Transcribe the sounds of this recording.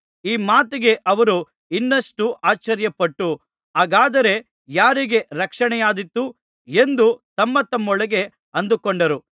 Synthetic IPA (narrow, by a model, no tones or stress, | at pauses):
iːmaːt̪iɡe̞ʔɐʋɐɾu | inːɐsʈuʔaːt͡ʃːɐɾjɐpɐʈːu | aːɡaːd̪ɐɾe̞ | jaːɾiɡe̞ɾɐkʂɐɳɛjaːd̪it̪ːu | e̞nd̪ut̪ɐmːɐt̪ɐmːɔɭɐɡe̞ | ɐnd̪ukoɳɖɐɾu